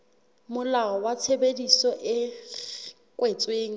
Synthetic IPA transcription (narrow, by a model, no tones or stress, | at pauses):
mʊlaɔwat͡sʰebedisɔʔɪ | kʼwet͡sʼweːŋ̩